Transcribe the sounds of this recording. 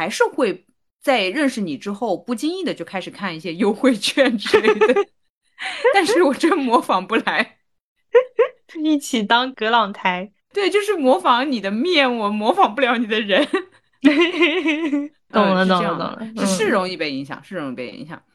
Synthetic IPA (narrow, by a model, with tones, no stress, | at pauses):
xa˧˥ɪʂɻ̩˥˧xwe˥˧ɪ | t͡sa˥˧ɪɻə˥˩nʂɻ̩˨˩ni˨˩ʈ͡ʂɻ̩˥xo˥˧ʊpu˥˩t͡ɕi˥ni˥˩d̪ə˩t͡ɕjo˥˩ʊkʰa˥ɪʂɻ̩˨˩kʰa˥˩ni˥˩ɕjɛ˥jo˥ʊxwe˥˧ɪt͡ɕʰɥɛ˥˧nʈ͡ʂɻ̩˥e˥˩d̪wɪ | t̪a˥˧nʂɻɻ̩˥˩wɔ˨˩ʈ͡ʂə˥nmwɔ˧˥fɑ˨˩ŋpu˥˩la˧˥ɪ | i˥˩t͡ɕʰi˨˩t̪ɑ˥ŋkɤ˧˥lɑ˨˩ŋt̪ʰa˧˥ɪ | t̪we˥˧ɪt͡ɕjo˥˧ʊʂ̬ɻ̩˥˩mwɔ˧˥fɑ˧˥ŋni˨˩d̪ə˦mjɛ˥˩nwɔ˨˩mwɔ˧˥fɑ˨˩ŋpu˥˩ljɑ˧˥ʊni˨˩d̪ə˦ɻə˧˥n | ʊ˨˩ŋlə̰˦˥˨ŋ̩˧˥˧ʂɻ̩˥˩ɻʊ˧˥ŋi˥˩pe˥˩ɪi˧˥ŋɕjɑ̰˨˩ŋʂɻ̩˥˩ɻʊ˧˥ŋi˥˩pe˥˩ɪḭ˧˥ŋɕjɑ̰˨˩˦ŋ